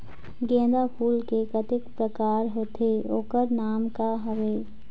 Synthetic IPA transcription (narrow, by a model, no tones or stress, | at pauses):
ɡẽːd̪apʰuːlkekət̪ɪkpɾəkaːɾɦoːt̪ʰeoːkəɾnaːmkaɦɐʋeː